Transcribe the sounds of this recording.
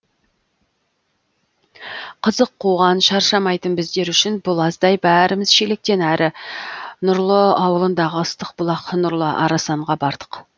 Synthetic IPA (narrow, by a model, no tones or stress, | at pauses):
qʰəzəqʰːoʁɑnʃɑɾʃɑmɑjt̪ənbɪzd̪e̞ɾʏʃɪnbʊlˠɑzd̪ɑjbæɾɪmɪz̥ʃelek̚t̪e̞næɾʔɪ | nʊɾlˠəɑwəlˠənd̪ɑʁəəst̪əq̚bʊlˠɑqnʊɾlˠəʔɑ̰ɾɑsɑɴʁɑbɑɾd̪̥ə̥q